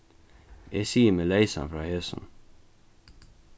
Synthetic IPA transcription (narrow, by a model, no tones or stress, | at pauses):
jæsiːəmeleɪsa̰nfɾɑːhesə̰n̩